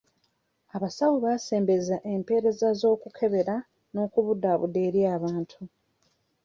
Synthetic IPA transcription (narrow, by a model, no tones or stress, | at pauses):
aβasawuβase̞ːmbe̞zaʔe̞mpe̞ːɾe̞zazo̞ːkukʰe̞βe̞ɾa | no̞ːkuβudaːβṵde̞ːɾjaːβaːntʰu